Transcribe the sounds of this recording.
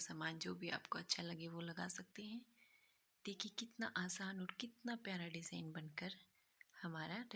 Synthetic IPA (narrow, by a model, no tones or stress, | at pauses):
saːmaːnd͡ʒoːbʱia̰ːpkoɐtːʃʰalɐɡeʋolɐɡa̰ːsɐk̚t̪eɦɛ̃ | d̪̥eːkʰiekɪt̪naʔaːsaːnɔːɾkɪt̪napjaːɾaɖɪzaːɪnbɐnkəɾ | hɐmaːɾaɾ